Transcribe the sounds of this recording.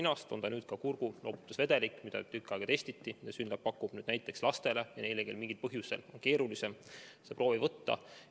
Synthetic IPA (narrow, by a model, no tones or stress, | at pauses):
inɑst̪o̞nt̪ɑnyːd̪̥kɑkurɡ̥uno̞ːbu̥t̪ːˑusve̞d̪̥e̞likːˑmid̪ɑ̰t̪ykːˑɑeɡɑt̪e̞st̪it̪ːid̪esynːlɑppːɑkːˑub̥nyːd̪næjt̪ːˑe̞kslɑst̪e̞le̞jɑnejleke̞lmiŋɡ̥ilpɤɦjuse̞̰lo̞̰nke̞ːɾulise̞msepro̞ːvivɤt̪ːɑ̰